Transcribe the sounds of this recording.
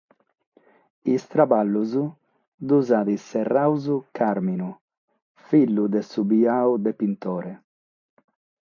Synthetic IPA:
ist̪ɾabalːuzu | d̪uzaːðisɛrːawzukʰaɾminu | filːud̪ɛsubiaːud̪ɛpint̪ɔːɾɛ

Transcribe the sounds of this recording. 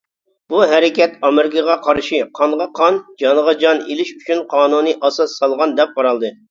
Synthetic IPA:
b̥uɦɛɾɪkʲɛt̪ɑmɪɾɪkəʁɑqʰɑɾʃiqʰɑɴʁɑqʰɑnd͡ʒɑnʁɑd͡ʒɑnelɪʃyt͡ʃʰynqʰɑːnunɨʔɑsɑsːɑlˠʁɑnd̪ɛp̚qɑɾɑlˠd̪ɨ

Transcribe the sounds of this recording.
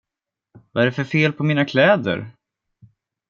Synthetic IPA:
vaæɖɛfœɾfeːlpʰɔmiːnakʰlɛːd̪ə̰ɾ

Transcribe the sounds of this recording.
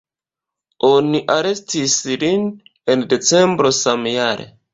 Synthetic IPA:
oniʔaɾe̞stislin | ende̞t͡sembɾo̞samjaɾḛ

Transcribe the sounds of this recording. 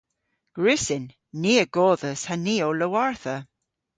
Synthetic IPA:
ɡ̥ɹɪsɪnː | iːəɡ̥ɔːðəshaniːoləwaɹθə

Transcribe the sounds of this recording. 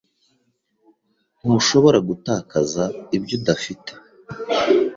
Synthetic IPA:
n̥uʃo̞βo̞ɾaɡutaːkazaibɟodafite̥

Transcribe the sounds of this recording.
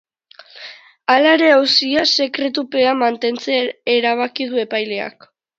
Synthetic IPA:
alaeɾe̞awsiase̞kɾe̞t̪̬upe̞amant̪e̞nt͡seːɾaβ̞akiðue̞pajle̞a̰k

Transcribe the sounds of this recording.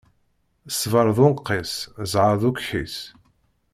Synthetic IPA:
sːvəɾˤðʊqːeszʕəðukħḭs

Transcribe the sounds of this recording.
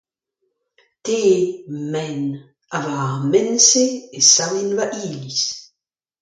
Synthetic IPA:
teːmɛn | avamenseːsawinvaʔiːlis

